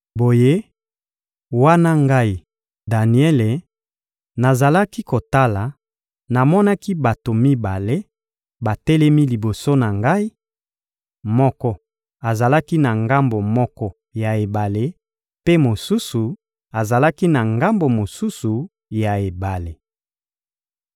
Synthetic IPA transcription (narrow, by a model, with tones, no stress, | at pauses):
bo˨je˦ | wa˦na˦ŋɡa˦i˦ | da˨ni˨ɛ˦le˨ | na˨za˨la˦ki˦ko˨ta˦la˨ | na˨mɔ˦na˦ki˦ba˨to˨mi˦ba˨le˦ | ba˨tɛ˦lɛ˦mi˦li˨bo˨so˦na˨ŋɡa˦i˦ | mɔ˦kɔ˦ | a˨za˨la˦ki˦na˨ŋɡa˦mbo˨mɔ˦kɔ˦ | ja˨e˨ba˨le˦ | pe˦mo˨su˦su˨ | a˨za˨la˦ki˦na˨ŋɡa˦mbo˨mo˨su˦su˨ | ja˨e˨ba˨le˨